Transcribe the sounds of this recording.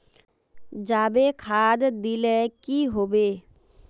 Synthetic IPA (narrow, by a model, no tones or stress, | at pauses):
d͡ʒaːbekʰaːd̪d̪ilekiɦoːbeː